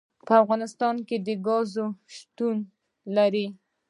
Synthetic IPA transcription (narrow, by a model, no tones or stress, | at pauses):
pəafɣɑnɪst̪ɑnked̪əɡɑzoʃt̪un | laɾi